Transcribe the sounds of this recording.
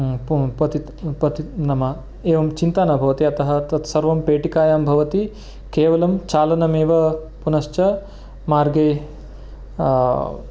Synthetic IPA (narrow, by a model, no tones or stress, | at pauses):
pɐt̪i | pɐt̪inɐmɐ | eːʋɐmt͡ʃint̪anɐbʱɐʋɐt̪iɐt̪ɐɦɐt̪ɐt̪sɐɾʋɐmpeːʈikaːjaːmbʱɐʋɐt̪i | keːʋɐlɐmt͡ʃaːlɐnɐmeːʋɐ | punɐʃt͡ʃɐ | maːɾɡeː